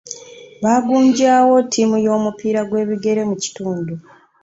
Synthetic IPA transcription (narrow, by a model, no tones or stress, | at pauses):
βaːɡuːɲɟaːwo̞tʰːimujo̞ːmupiːɾaɡwe̞ːβiɡe̞ɾe̞muci̥tuːndu